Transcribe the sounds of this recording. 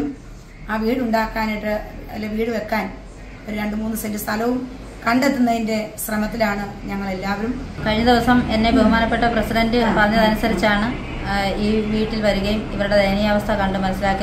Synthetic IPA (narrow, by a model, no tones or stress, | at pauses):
um | aːʋiːɽuɳɖaːkːaːneʈːɨɐlːeʋiːɽɨʋe̞kːaːn | o̞ɾuɾe̞ɳɖɨmuːnːɨsendɨst̪ʰɐlɐʋum | kɐɳɖet̪ːunːɐðinde̞srɐmɐt̪ːilaːɳɨɲɐŋːɐɭe̞lːaːʋɐɾumkɐɻiɲːɐd̪iʋɐsɐme̞nːe̞beɦumaːnɐpːe̞ʈːɐprɐsiɖɐndɨpɐrɐɲːɐðɐnusɐɾit͡ɕːaːɳɨ | iːʋiːʈːilʋɐɾuɣɐjumiʋɐɾuɽed̪ʱejnijɐɐːʋɐst̪ʰɐkɐɳɖɨmɐnɐsːilaːkːi